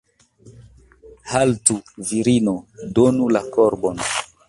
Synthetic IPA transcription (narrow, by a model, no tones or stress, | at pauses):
haltuviɾinɔdonulakɔɾbɔn